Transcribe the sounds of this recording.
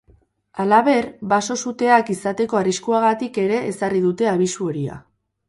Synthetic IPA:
alaβe̞ɾbaso̞sut̪e̞akisat̪e̞ko̞ariskuaɣat̪ike̞ɾe̞ːsarið̞ut̪e̞aβ̞isuo̞ɾia̰

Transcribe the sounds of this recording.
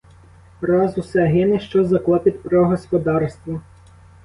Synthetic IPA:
ɾɑzusɛɦɪnɪʃt͡ʃɔzɐklˠɔpɪt̪ʲpɾɔɦɔspɔd̪ɑrst̪ʋɔ

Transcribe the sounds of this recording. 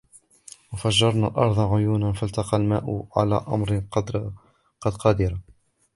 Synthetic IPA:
wəfaʒːɑɾˤna̰lʔɑ̰ɾˤd̪ˤɑʕʊjuːnanfalt̪ɑqɑlma̰ːʔʊʕa̰la̰ːʔɑ̰mɾ | qɑd̪qɑd̪iɾa

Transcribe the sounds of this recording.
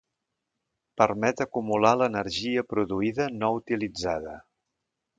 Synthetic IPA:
pərmɛt̪əkumulalənəɾʒiəpɾuðuiðənɔut̪ilid͡zaðə̰

